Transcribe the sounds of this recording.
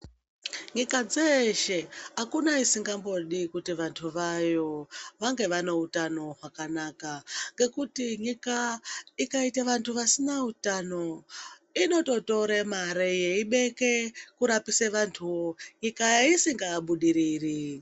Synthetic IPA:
ɲikad͡zeʃeɦakunaisiŋɡambo̞ɗikutiʋantʰuʋajo̞ʋaŋɡe̞ʋano̞utano̞ɦakanakaŋɡe̞kutiɲikaikaitaʋantʰuʋasinautano̞ino̞to̞to̞ɾemaɾeje̞iɓe̞ke̞kuɾapiseʋantʰuwoɲikajaisiŋɡaːɓuɗiɾiːri

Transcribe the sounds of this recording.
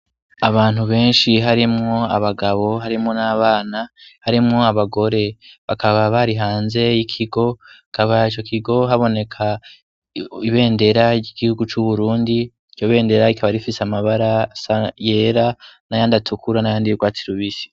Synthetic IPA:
aβaːn̥huβe̞ːnʃiɦaɾimŋo̞a̰βaɡaβo̞ɦaɾimŋo̞naːβaːnahaɾimŋo̞aβaɡo̞ɾe̞βakʰaβaβaɾiɦaːnze̞jikʰiɡo̞kaβait͡ʃo̞kʰiɡo̞ɦaβo̞ne̞kʰa | iβe̞ːnde̞ɾaiɡihuɡut͡ʃuβuɾuːndi | io̞βe̞ːnde̞ɾaikʰaβaɾifiseamaβaɾasaje̞ːɾanajaːndatʰukʰuɾanajaːndijiɡwaːtiɾuβiso̥

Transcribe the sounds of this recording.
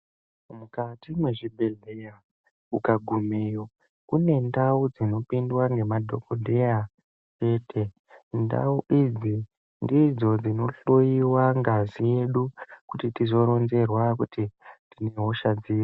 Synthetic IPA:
mukatimweʐibʱe̞ɮe̞ja | ukaɡʱumejo | kune̞ndaud͡zino̞pindwaŋɡe̞madʱo̞kodʱeja | t͡ʃe̞ːtʰe̞ | nda̰uʔid͡zi | ndid͡zo̞d͡zino̞ɬojiwaŋɡazije̞ɗukutitizo̞ɾo̞nze̞rwakutidine̞ɦo̞ʃad͡ziːro

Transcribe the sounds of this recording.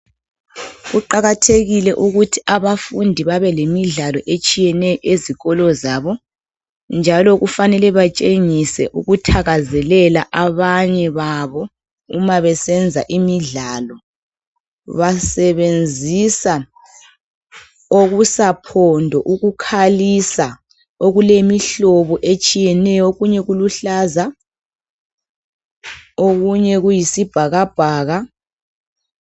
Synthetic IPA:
ɣuǃaɣatʰeɣilɛʔuɣutʰiaβafundʱiβaβɛlemiɮalɔʔet͡ʃʼijɛnɛjɔʔeziɣɔlɔzaːβɔ | nd͡ʒʱalɔɣufanɛlɛβat͡ʃʼeŋisɛ̰ʔuɣutʰaɣazɛlɛlaʔaβaɲɛβaβɔ | umaβɛsɛnd͡zʱa̰ʔimiɮalɔ | βasɛβend͡zʱisa | oɣusapʰɔndʱɔʔuɣukʰalisa | oɣulemiɬɔβɔʔet͡ʃʼijɛnɛjɔoɣuɲɛɣuluɬaːza | oɣuɲɛɣujisib̥ʱaɣab̥ʱaːɣa

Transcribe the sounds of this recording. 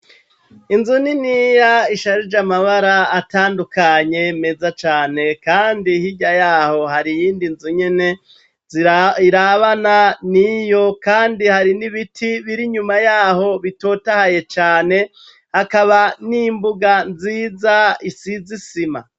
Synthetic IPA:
inzuninijaiʃaɾid͡ʒamaβaɾaːtaːndukaɲe̞mezat͡ʃaːne̞kaːndihiɟajaːho̞haɾijiːndinzuɲe̞ne̞ | ziiɾaβananijo̞kaːndihaɾiniβitʰiβiɾiɲumajaːho̞βito̞ːtahaje̞t͡ʃaːne̞ | hakaβaniːmbuɡanziːzaisizisima̰

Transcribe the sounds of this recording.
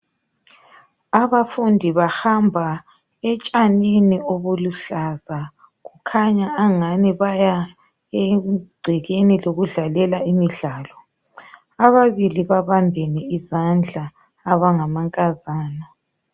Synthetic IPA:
aβafundʱiβahambʱa | ɛt͡ʃʼaninioβuluɬaza | ɣukʰaɲaːŋaniβaja | ɛɡ͡ǀʱɛɣeniloɣuɮalɛlaimiɮaːlɔ | aβaβiliβaβambʱɛnɛizand͡ɮʱaː | βaŋamaŋkʼazaːnɔ

